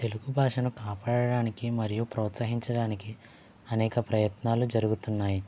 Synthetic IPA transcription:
t̪e̞luɡubʱaːʂɐnukaːpaːɽɐɽaːnikimɐɾijupɾɔːt̪sɐɦiɲt͡ʃɐɽaːniki | ɐnɛːkɐpɾɐjɐt̪naːlud͡ʒɐɾuɡut̪unːaːji

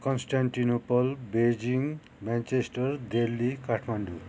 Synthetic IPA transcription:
kɔnsʈaɳʈinopɔlbed͡ʑiŋ | mant͡ʃesʈʌɾd̪elːikaʈʰmaɳɖu

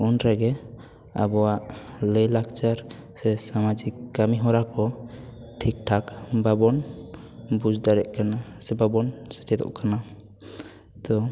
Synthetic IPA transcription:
unɾɛɡɛ | a̰bɔwaʔləjlakt͡ʃaɾ | sɛsamad͡ʒikːamiɦɔɾakɔ | ʈʰik̚ʈʰakbabɔn | bud͡ʒd̪aɾɛʔkanasɛbabɔnsɛ̥t͡ʃɛd̪ɔ̰ʔkana | t̪ɔ

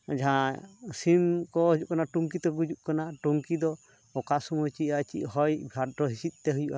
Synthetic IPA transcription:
d͡ʒãsimkɔɦud͡ʒuʔkanaʈuŋk̬it̪ɔɡud͡ʒuʔkanaʈuŋkid̪ɔ | ɔkasumɔjt͡ʃiʔat͡ʃḭʔɦɔjbʱjadɾɔɦisit̪̚ˀt̪ɛɦujuʔa

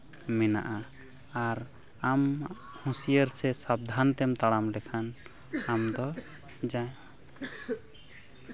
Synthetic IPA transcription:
mɛna̰ʔa | aɾ | am | hũsijəɾsɛsab̚d̪ʱant̪ɛmt̪aɽamlɛkʰan | amd̪ɔ | d͡ʒãja

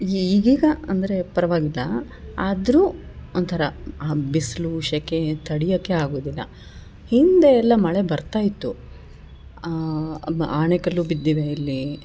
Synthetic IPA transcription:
iːɡiːɡɐɐnd̪ɐɾe̞pɐɾɐʋaːɡilːɐ | aːd̪ɾuːont̪ʰɐɾɐːbisluːʃɐkːet̪ʰɐɽijɐːkːeaːɡoːd̪ilːɐ̰ | hind̪eɛlːɐmɐɭe̞bɐɾt̪aːjit̪ːu | aːɳekɐlːuːbid̪ːiːʋeilːi

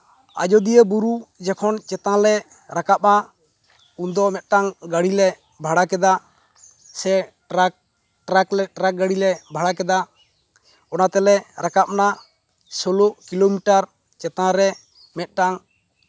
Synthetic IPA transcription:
a̰d͡ʒɔd̪ijəbuɾud͡ʒɛkʰɔnt͡ʃɛt̪ãlɛ | ɾakap̚na | und̪ɔmɛt̪̚ˀʈaŋɡaɽilɛ | bʱaɽakɛd̪a | sɛ | ɾak̚ | ʈɾaklɛʈɾak̚ɡaɽilɛbʱaɽakɛd̪a | ɔnat̪ɛlɛɾakap̚na | sɔloʔkilomiʈaɾ | t͡ʃɛt̪ãɾɛ | mɛt̪̚ˀʈaŋ

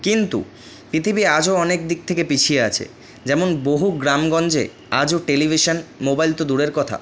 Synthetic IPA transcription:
kint̪ṵ | pɾit̪ʰibiad͡ʑoɔnek̚d̪ik̚t̪ʰekepit͡ɕʰieat͡ɕʰḛ | d͡ʑɛmonboɦuɡɾamɡɔnd͡ʑe | ad͡ʑoʈelibʱiʃonmobajlt̪od̪uɽeɾkɔt̪ʰa̰

